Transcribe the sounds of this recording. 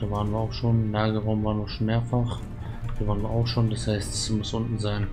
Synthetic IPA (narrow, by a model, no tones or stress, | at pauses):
d̥aːvaːʁənviːɐaʊxʃoːnlaːɡəʁaʊmvaːʁənviːɐʃoːnmeːɐfaχ | d̥avaːʁənviːɐaʊxʃoːndashaɪstḁsmʊsʔʊntn̩zaɪn